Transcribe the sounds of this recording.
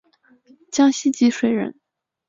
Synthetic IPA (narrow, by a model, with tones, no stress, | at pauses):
t͡ɕjɑ˥ŋɕi˥t͡ɕi˧˥ʂwe˨˩ɪɻə̰˧˥n